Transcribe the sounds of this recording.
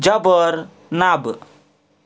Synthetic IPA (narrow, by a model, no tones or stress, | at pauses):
d͡ʒabəɾ | nab